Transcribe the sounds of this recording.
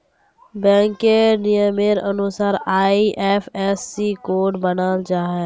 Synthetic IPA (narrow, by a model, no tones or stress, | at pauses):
bɛ̃ːŋkːenijəmeɾənʊsaːɾaːiʔɛːpʰɛːsːikoːʈbənaːlt͡ʃaːɦɛ